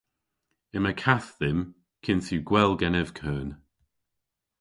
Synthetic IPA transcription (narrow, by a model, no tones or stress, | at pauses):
ɪməkʰaθðɪm | kʰɪnsuɡwɛlˠɡɛnɛv̥kʰəːn